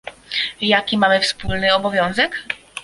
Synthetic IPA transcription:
jakʲimamɘfspulnɘɔbɔvʲjɔ̃w̃zɛk

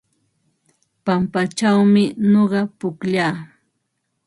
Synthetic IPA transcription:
pampat͡ʃawmɪnoɢɑpʊkʎaː

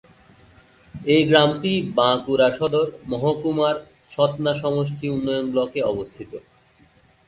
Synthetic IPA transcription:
eɡɾamʈibãkuɾaʃɔd̪oɾmɔɦokumaɾ | ʃɔt̪naʃɔmoʃ̬ʈʰiunːɔjonblɔkeɔbost̪ʰit̪o

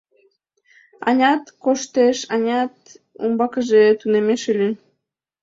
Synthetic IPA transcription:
ɑ̰nʲɑt̪koʃt̪eʃɑnʲɑt̪ | ṵmbɑkəʒet̪unemeʃylʲi

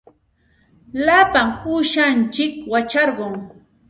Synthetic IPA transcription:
lapaŋuʃant͡ʃɪkwat͡ʃɑɾɢoŋ

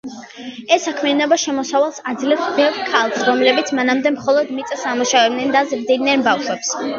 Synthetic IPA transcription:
ɛsːakʰmɛanɔbaʃɛmɔsavalˠsad̪zlɛvsbɛvkʰalˠsɾɔmlɛbit̪sʰmanamd̪ɛmχɔlˠɔd̪mit̪sʼasamuʃavɛbnɛnd̪azɾd̪id̪nɛnbafʃwɛps

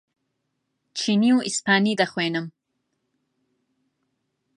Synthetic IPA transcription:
t͡ʃʰiniwispʰaːnid̪ɐχweːnəm

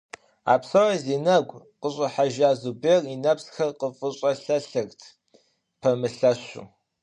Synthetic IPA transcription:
a̰ːpsɐwɐziːnɐɡʷʼ | qəɕʼɐħaʒaːzuberinɐpsxɐrqəfʼɨɕʼɐɬɐɬɨɣtʰ | pʰɐmɨɬɐɕʊ̰

